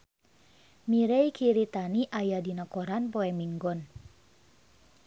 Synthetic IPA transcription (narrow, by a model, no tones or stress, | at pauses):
miɾejkʰiɾit̪aniʔajadinakɔɾanpɔɛmiŋɡɔn